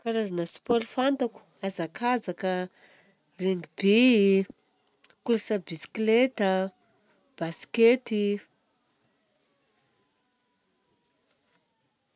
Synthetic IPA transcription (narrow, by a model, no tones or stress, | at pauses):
kaɾazanəspɔɾfant̪aku̥azakʰazakə | reŋɡibe | kulasabisi̥klet̪ə | b̥asi̥ket̪i